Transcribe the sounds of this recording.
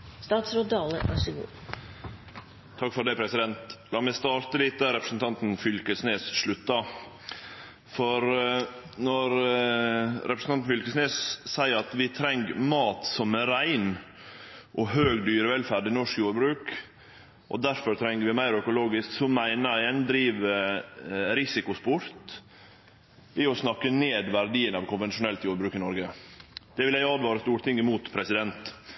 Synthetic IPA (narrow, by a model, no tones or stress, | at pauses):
st̪ɑːt̪sɾoːd̪ɑːləʔæsɪɡṵː | t̪ʰɑkfɔɾɖ̪æɪpʰɾɛsɪd̪ɛnt̪lɑːmɛst̪ɑːɾt̪əlɪt̪̚d̪æɾɛpɾəsn̩t̪ʰɑnt̪nfʏlkəsneːsʂɭʉt̪ːɑ | fɔɾ | nɔɾ | ɾɛpɾəsnɑnn̩fʏlkəsneːssæɪəɾɑt̪ʋɪt̪ʰɾɛŋɡmɑːt̪sɔmæɾæɪn | ʔɔɦøːɡd̪yːɾəʋɛlfæɾɖɪnɔʂkjuːɾbɾʉːk | ʔɔ̰d̪æɾfɔɾt̪ʰɾɛŋːəɾʋɪmæɪɾœkʊloːɡɪsksɔmæɪnəæɛnd̪ɾiːʋə | ɾɪsɪkʊspʊɾt̪ | ɪɔsnɑkːəneːd̪ʋæɾd̪iːənɑʋkʰʊnʋɛnʃʊnɛlt̪juːɾbɾʉːkɪnɔɾɡəd̪̥ɛʋɪljæɪɑd̪ʋɑːɾəst̪uːɾt̪ʰɪŋːəmuːt̪pʰɾɛsɪd̪ɛnt̪